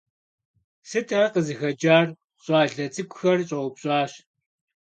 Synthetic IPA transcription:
sɨtʰaqəzɨxɐd͡ʒaːr | ɕʼaːɮɐt͡sʼɨkʷʼxɐrɕʼɐʊpɕʼɑːɕ

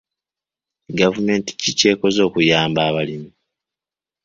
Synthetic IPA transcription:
ɡavume̞ːnti̥cice̞ːko̞zo̞ːkujaːmbaːβalimi

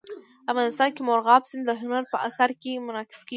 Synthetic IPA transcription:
afɣɑnɪst̪ɑnkemoɾɣɑbsɪnd̪əɦʊnaɾpəʔasaɾkemʊɾɑkɪ̥ske

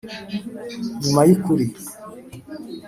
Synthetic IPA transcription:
ɲumajikuɾi

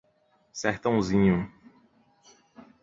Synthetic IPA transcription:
sɛht̪ɐ̃w̃zĩɲu

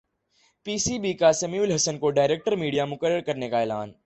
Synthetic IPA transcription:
piːsiːbiːkasɐmjuːlɦɐsənkoɖaːɪɾeːk̚ʈəɾmiːɖijamʊkəɾəɽkɐɾnekaeːla̰ːn

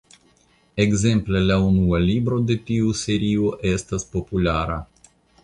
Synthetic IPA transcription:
eɡze̞mplelaunualibɾo̞d̪e̞t̪iuse̞ɾioʔestaspo̞pulaɾa

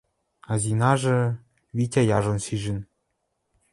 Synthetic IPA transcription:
ɑzinɑʐɤ̆ | βʲitʲajɑʐɤ̆nɕiʒɘ̆n

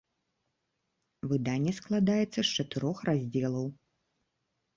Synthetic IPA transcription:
vɨd̪anʲːɛsklˠad̪ajɛt̪sːɐʂt͡ʂɐt̪ɨɾɔxrazʲd͡zʲɛlˠɐw

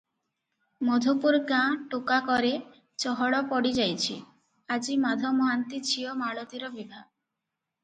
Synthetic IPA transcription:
mɔd̪ʱopuɾkãʈukakɔɾe | t͡ʃɔɦɔɽɔpɔɽid͡ʒajt͡ʃʰḭ | ad͡ʒimad̪ʱɔmɔɦant̪it͡ʃʰiɔmaɭot̪iɾɔbibʱa

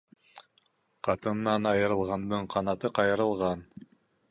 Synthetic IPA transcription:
qɑt̪ɤ̆nːɑnɑjɤ̆ɾɤ̆lˠʁɑnd̪ɤɴqʰɑnɑt̪ɤqɑjɤ̆ɾɤ̆lˠʁɑn

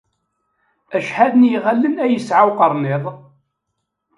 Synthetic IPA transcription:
æʃħæðənjiʁælːənæjəsʕawqəɾˤneðˤ

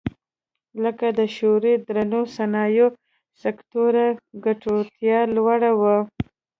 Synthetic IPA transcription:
ləkad̪əʃoɾed̪ɾanosanɑjo | sakt̪oɾaɡaʈot̪jɑlwaɽawa

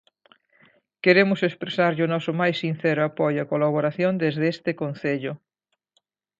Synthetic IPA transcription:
keɾemʊsespɾesaɾʎʊnɔsʊmajsːinθɛɾʊapojoakolaβ̞oɾaθjond̪ezðest̪ɪkonθeʎʊ

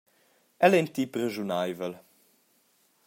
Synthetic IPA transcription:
ɛlɛnt̪ipɾəʒunajvəl

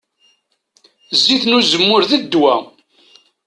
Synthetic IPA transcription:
zːiθnuzəmːʊɾðəd̪ːwæ

